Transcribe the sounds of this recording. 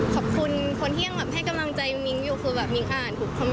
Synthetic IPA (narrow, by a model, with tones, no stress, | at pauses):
kʰɔ˨˩p̚kʰu˧nkʰo˧nhi˥˩əŋbɛː˨˩p̚ɦa˥˩jka˧mla˧ŋt͡ɕa˧jŋi˧˦ŋjuː˨˩kʰɯː˧bɛː˨˩p̚ŋi˧˦ŋʔaː˨˩nt̪ʰuː˨˩k̚ʰa˧m